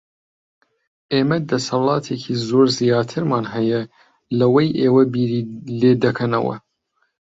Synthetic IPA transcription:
ʔeːmɐd̪ɐsɐlˠɑːt̪ʰekʰiːzoːɾzijɑːt̪ʰɨɾmɑːnɦɛjɐ | lɐwɐjʔeːwɐbiːɾiːleːd̪ɐkʰɐnɐ̰wɐ̰

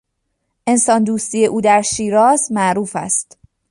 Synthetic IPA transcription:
ʔe̞nsɒːnd̪uːst̪iːje̞ʔuːd̪æɾʃiːɾɒːzmæʔɾuːfæ̰st̪

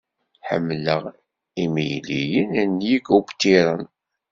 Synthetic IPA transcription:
ħə̰mːləʁ | imijlijənænːjiɡubt̪ːiɾˤən

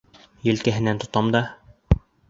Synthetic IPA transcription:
jɵ̆lkæɦɘ̆nænt̪ŏt̪ɑmd̪ɑ

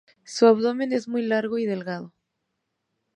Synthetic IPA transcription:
suaβðomẽ̞ne̞zmujlaɾɣoiðe̞lɣað̞o

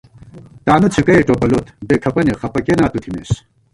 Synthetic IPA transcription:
t̪aːnut͡sʰikɐjʈoːpɐlot̪bekʰɐpɐniχɐpɐkenaːt̪ut̪ʰimḛːs

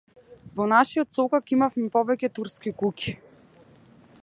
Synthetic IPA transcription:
vɔnaʃiɔt̪sɔkakimafmɛpɔvɛcʲɛt̪uɾskikucʲi̥

